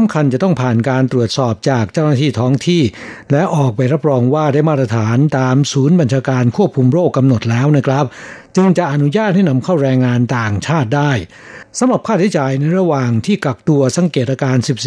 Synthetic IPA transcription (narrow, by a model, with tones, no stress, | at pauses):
sa˨˦mkʰa˧nt͡ɕa˨˩t̪ɔ˥˩ŋpʰaː˨˩nkaː˧nt̪ɾu˨˩ət̪̚sɔː˨˩p̚t͡ɕaː˨˩k̚t͡ɕa˥˩wnaː˥˩t̪ʰiː˥˩t̪ʰɔː˦˥ŋt̪ʰiː˥˩ | lɛ˦˥ʔɔː˨˩k̚pa˧jɾa˦˥p̚ɾɔː˧ŋwaː˥˩daː˥˩jmaː˥˩t̪ɾa˧t̪ʰaː˩˦nt̪aː˧msuː˩˦˥nba˧nt͡ɕʰaː˧kaː˧nkʰu˥˩əp̚kʰu˧mɾoː˥˩kːa˧mno˨˩t̪̚lɛː˦˥wna˦˥˩kʰɾa˦˥p̚t͡ɕɯ˧ŋt͡ɕa˨˩ʔa˧nu˦˥jaː˥˩t̪̚ha˥˩jna˧mkʰa˥˩wɾɛː˧ŋːaː˧nt̪aː˨˩ŋt͡ɕʰaː˥˩t̪̚daː˥˩j | sa˨˦mɾa˨˩p̚kʰaː˥˩t̪ʰa˦˥jt͡ɕaː˧jna˧jɾa˧waː˨ŋt̪ʰiː˥˩ka˨˩k̚t̪u˧ɐsa˩˦˥ŋkeː˨˩t̪̚ɾaː˧kaː˧nsi˨˩p̚